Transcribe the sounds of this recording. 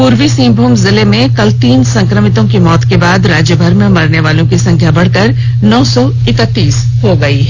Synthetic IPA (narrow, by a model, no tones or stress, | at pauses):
puːɾwisĩːmbʱuːmzɪlemẽkɐlt̪iːnsɐ̃ŋkɾəmɪt̪õkimɔːt̪kebaːd̪ɾaːd͡ʒjəbʱɐɾmẽmɐɾneʋaːlõkisɐ̃ŋkʰjabɐɽ̤kəɾ | nɔːsɔ | ɪkət̪ːiːs | ɦoɡɐi